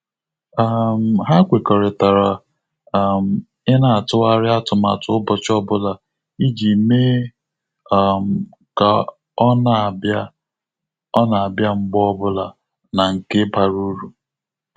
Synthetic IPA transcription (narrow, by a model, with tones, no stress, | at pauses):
a˦m̩˨ɦa˦ɡʷe˨kɔ˨ɾɪ˨ta˨ɾa˨˦˨ | m̩˨ | ɪ˦na˦a˨tʊ˦a˦ɾɪ˦a˦tʊ˨ma̰˨tʊ˦ʊ˦bɔ˨t͡ʃɔ˦bʊ˦la˨ | i˦d͡ʒi˨me˦˨ | m̩˨ | ka˨ | ɔ˦na˨ba˦ | ɔ˦na˨a˨bja˦ŋ͡m̩˦ɡ͡bɔ˦bʊ˦la˨ | na˨ŋ̩˨kɪ˦ba˨ɾu˦ɾu˨